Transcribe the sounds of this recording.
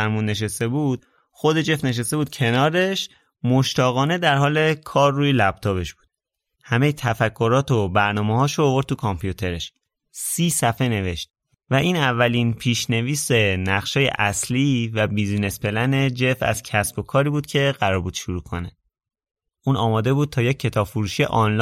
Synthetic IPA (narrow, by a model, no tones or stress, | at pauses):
æɾmuːnːe̞ʃ̬est̪e̞buːd̪̥̚ | xo̞d̪e̞d͡ʒe̞fne̞ʃ̬est̪e̞buːd̪̥̚kcʰe̞nɒːɾe̞ʃ | mo̞ʃt̪ʰɒːɣɒːne̞d̪æɾɦɒːle̞kʰɒːrːuːjelæb̚t̪ʰɒːbe̞ʃb̥uːd̪̥ | hæme̞jet̪ʰæfækʰːo̞ɾɒːt̪ʰobæɾnɒːmehɒːʃoːvo̞ɾd̪̚t̪ukʰɒmpʰjut̪ʰe̞ɾe̞ʃ | siːsæfe̞ne̞ve̞ʃt̪̚ | væʔiːnævːælinpʰiːʃne̞viːse̞næχʃɒːjḛʔæsliːvæbiːzne̞spe̞læned͡ʒe̞fæ̰zcʰæsbo̞kʰɒːɾiːbuːd̪̥̚cʰe̞ɢæɾɒːɾbuːd̪̥ʃuɾuːkʰo̞ne | ʔuːnɒːmɒːd̪e̞buːd̪̥̚t̪ʰɒːjec̚ʲʰːe̞t̪ʰɒːb̥fuɾuːʃijḛʔɒnlː